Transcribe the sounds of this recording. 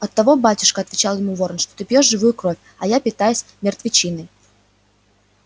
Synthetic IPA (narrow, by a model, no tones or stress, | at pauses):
ɐt̪ːɐvo̞batʲʊ̥ʂkəɐt̪vʲɪt͡ɕalˠjɪmuvo̞ɾənʂt̪o̞t̪ɨpʲjo̞ʂʐɨvujʊkɾo̞fʲ | ɐjapʲɪt̪ajʊsʲmʲɪrt̪vʲɪt͡ɕinɨ